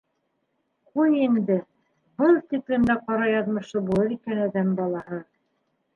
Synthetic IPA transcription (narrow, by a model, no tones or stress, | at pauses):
qujind̪ɘ | bɤlˠt̪iklɘ̆md̪æqɑɾɑjɑðmɤ̆ʃɤbulˠɤɾikænæðæmbɑlˠɑɦɤ